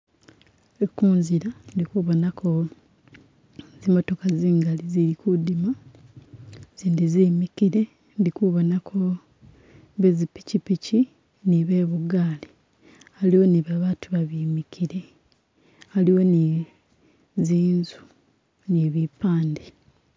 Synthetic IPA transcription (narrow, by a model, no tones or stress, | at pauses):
ekuːnziɾandikuβo̞nakʰo̞ | zimo̞to̞kaziːŋɡaliziɾikudima | ziːndizimikiɾe̞ | ndikuβo̞nakʰo̞ | βezipi̥cipici | niβe̞ːβuɡaːli | aliwo̞niβaβaːtuβaβimikʰiɾe | aliwo̞ni | ziːnzu̥ | niβipaːndi